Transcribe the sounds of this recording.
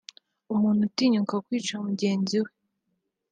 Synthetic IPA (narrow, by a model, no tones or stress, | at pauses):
umuːn̥utiːɲuŋkakwiːt͡ʃamuɟe̞ːnziwe